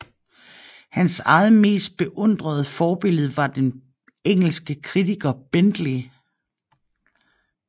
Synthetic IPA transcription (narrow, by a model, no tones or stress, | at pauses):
hænsɑ̈ð̩ˠme̝̰ːsd̥̚b̥e̝ʔɔ̽n̰d̥ʁɐð̞ˠfɒːb̥e̝l̰ð̞̩ˠʋɑ̈d̥en | eŋ̰l̩sɡ̥əkʰʁit͡siɡ̥ɐb̥end̥li